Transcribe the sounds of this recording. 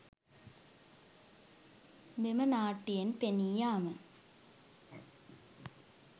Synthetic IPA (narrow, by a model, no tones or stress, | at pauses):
memənaːʈːijenpenijaːmə